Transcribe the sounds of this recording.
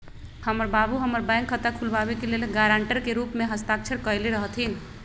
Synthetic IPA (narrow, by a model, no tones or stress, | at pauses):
həməɾbabuɦəməɾbãjŋkʰːət̪akʰulbabekelelɡaɾaɳʈəɾkeɾupmeɦəst̪akt͡ʃʰəɾkəjleɾəɦt̪ʰin